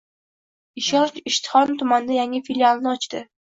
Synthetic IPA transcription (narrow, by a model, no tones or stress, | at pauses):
ɪʃɒnt͡ʃɪʃt̪ʰɪ̥χɒnt̪ʰʊmand̪ajaŋɪfilʲialˠnɪɒt͡ʃt̪ɪ